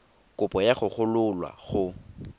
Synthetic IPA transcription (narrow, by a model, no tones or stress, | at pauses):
kʼʊpʼɔjaχʊχʊlʊlwa̰χʊ